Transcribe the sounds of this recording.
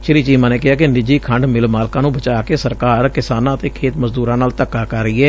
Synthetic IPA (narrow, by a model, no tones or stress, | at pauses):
ʃɪɾiːt͡ʃiːmãːneːkɪɦaːkɪnɪd͡ʒiːkʰəɳɖmɪlmaːlkãːnũːbət͡ʃaːkeːsəɾkaːɾkɪsaːnãːət̪eːkʰeːt̪məzd̪uːɾãːnaːlt̪əkːaːkəɾːəiːɛː